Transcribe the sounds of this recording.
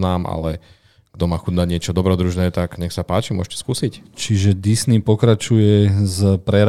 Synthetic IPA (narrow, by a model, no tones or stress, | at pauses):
naːma̰lɛ | ɡ̥d̪ɔmaːxud̪naɟɲɪɛt͡ʃɔd̪ɔbɾɔd̪ɾuʒnɛːt̪aɡɲɛxsapaːt͡ʃimʊɔɛt̪ɔ̥skusict͡ʃiʒɛd̪isnipɔkɾat͡ʃujɛzpɾɛɾ